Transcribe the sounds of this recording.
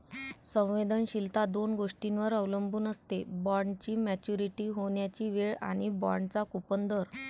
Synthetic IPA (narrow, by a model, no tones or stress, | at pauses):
sə̃w̃ʋed̪ənɕilt̪ad̪onɡoʂʈinʋəɾəʋləmbuːnəst̪ebɔɾɳɖt͡ɕiːmæt͡ɕuɾiʈiːɦoɳjat͡ɕiːʋeɭa̰ɽ̃ibɔ̰ɾɳɖt͡sakupənd̪əɾ